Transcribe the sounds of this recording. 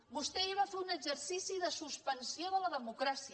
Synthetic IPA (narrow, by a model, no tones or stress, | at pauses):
bust̪ɛiβ̞afeunəɡzəɾsisiðəsuspənsioðələðəmukɾasiə